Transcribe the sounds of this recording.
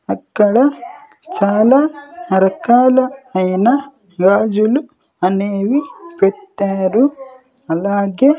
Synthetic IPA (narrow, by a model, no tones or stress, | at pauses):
ɐkːɐɽɐ | t͡ʃaːlaːɾɐkaːlɐɐjnɐ | ɡaːd͡ʒulu | ɐneːʋipɛʈːaːɾu | ɐlaːɡeː